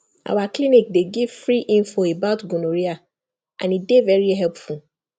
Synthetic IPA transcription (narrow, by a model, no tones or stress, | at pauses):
ʔa̰waklinik̚deɡivfɹiʔĩɱfoebaʊtɡũnoɹia | ʔã̰nidevɛɹiɦɛlpful